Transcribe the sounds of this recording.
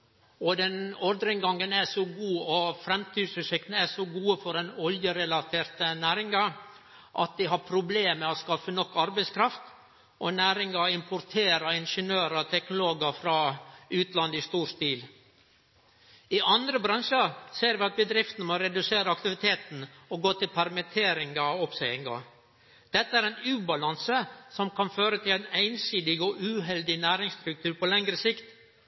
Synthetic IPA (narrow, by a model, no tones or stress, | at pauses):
ɔd̪ɛnɔɾd̪ɾɪŋɡɑŋənæʂɔɡuːɔfɾɛmt̪ʰyːd̪sʉsɪkt̪n̩æʂɔɡuːəfɔɾɛnɔljəɾɛlɑt̪ʰeːɾt̪ənæːɾɪŋɑ | ʔɑt̪̚d̪ɪɦɑɾpʰɾʊbleːmɛɔskɑfənɔkːɑɾbɛɪskʰɾɑft̪ | ʔɔnæːɾɪŋɑɪmpʰʊɾt̪ʰeːɾəɪnʂənøːɾət̪ʰɛknʊloːɡəfɾɑːʉːt̪lɑnd̪ist̪uːɾst̪iːl | ɪʔɑnd̪ɾəbɾɑŋʂəɾseːɾʋɪɑt̪̚bəd̪ɾɪft̪n̩moɾɛd̪ʉseːɾəɑkt̪ɪʋɪt̪ʰeːt̪n̩ɔɡoːt̪ɪlpʰæɾmət̪ʰeːɾɪŋɑɔpsɛɪɪŋɑ̰ | d̪̥ɛt̪ːəæɾæɪnʉːbɑlɑnsəsɔmkʰɑnføːɾət̪ʰɪlæɪnæɪnsiːd̪ɪɡɔʔʉːɦɛld̪ɪnæːɾɪŋst̪ɾʉk̚t̪ʰʉːɾpɔlɛŋɾəsɪkt̪